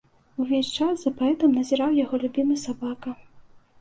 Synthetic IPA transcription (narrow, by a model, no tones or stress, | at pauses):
uvʲesʲt͡ʂaszɐpaɛt̪ɨmnɐzʲiɾawjaɣɔlʲubʲimɨsabakɐ